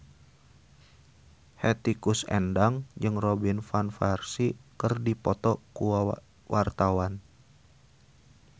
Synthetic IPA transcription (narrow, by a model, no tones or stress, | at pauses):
hɛt̪ikusɛ̰ndaŋd͡ʒɨŋrobinfanfarsikɨrdipɔt̪ɔku | wʔart̪awan